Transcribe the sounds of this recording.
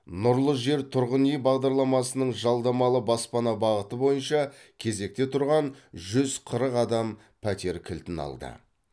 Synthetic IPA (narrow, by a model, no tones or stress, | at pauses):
nʊɾlˠəʒe̞ɾt̪ʰʊɾʁənijbɑʁd̪ɑɾlˠɑmɑsənəɴʒɑlˠd̪ɑmɑlˠəbɑspɑnɑbɑʁət̪əbo̞jənʃɑkʲʰe̞ze̞k̚t̪e̞t̪ʰʊɾʁɑnʒʏzqʰəɾəqɑd̪ɑm | pʰæt̪e̞ɾkʲʰɪlt̪ɪnɑ̰lˠd̪ə̰